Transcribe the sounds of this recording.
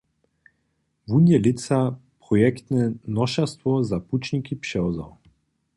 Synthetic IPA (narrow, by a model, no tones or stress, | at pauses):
vunjɛlɪt̪sapʁɔjɛkt̪nɛnɔʃast̪vɔzaput͡ʃnikipʃɛɔza̰w